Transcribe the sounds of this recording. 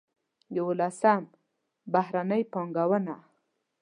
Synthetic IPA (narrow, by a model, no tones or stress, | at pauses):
jawolasam | bahɾanəjpɑŋɡawəna